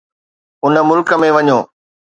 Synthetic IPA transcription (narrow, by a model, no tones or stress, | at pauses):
ʊnə̆mʊlkəmẽʋɐɲoː